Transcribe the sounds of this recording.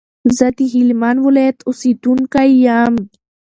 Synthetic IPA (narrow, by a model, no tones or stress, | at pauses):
zɐt̪iɦilmanwulet̪ʊsit̪unkaijam